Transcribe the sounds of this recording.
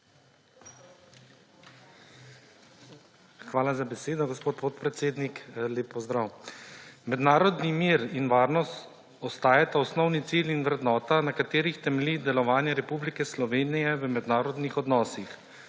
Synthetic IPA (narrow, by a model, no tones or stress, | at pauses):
xʋaːlazabɛseːd̪ɔɡɔspoːt̪pot̪pɾɛt̪seːd̪nikleːpːɔzd̪ɾaw | mɛd̪naːɾɔd̪nimiːɾinʋaːɾnɔst̪ | ɔst̪aːjat̪aɔsnɔwnit̪silinʋɾɛd̪nɔːt̪anakat̪eːɾixt̪ɛmɛlid̪ɛlɔʋaːnjɛɾɛpublikɛslɔʋeːnijɛʋəmɛd̪naːɾɔd̪nixɔd̪nɔːsix